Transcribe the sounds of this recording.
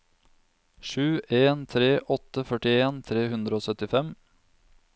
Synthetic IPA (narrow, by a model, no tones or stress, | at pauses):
ʃʉːʔeːnt̪ʰɾeːʔɔt̪əfœʈɪeːnt̪ʰɾeːhʉnd̪ɾəoːsœt̪ɪfɛm